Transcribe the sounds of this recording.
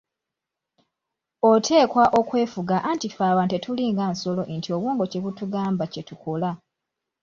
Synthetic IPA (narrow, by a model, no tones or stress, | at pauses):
otʰe̞ːkwaʔo̞kwe̞ːfuɡaʔantifaːwante̞tuliːŋɡaːnso̞lo̞ʔntio̞βwuːŋɡo̞ce̞βutuɡaːmbace̞tukola